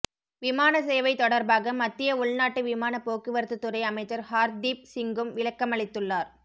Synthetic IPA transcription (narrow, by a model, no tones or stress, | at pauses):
ʋɪmaːnɐsɛjɐʋɐɪt̪ɔɽɐɾbaːɣɐmɐt̪ːɪjɐʊɭnaːʈːɯʋɪmaːnɐpoːkːɯʋɐɾt̪ːɯt̪ːɯɾɐɪɐmɐɪt͡ʃːɐɾhaːɾd̪iːp̚sɪŋɡɯmʋɪlɐkːɐmɐɭɪt̪ːɯɭːaːɾ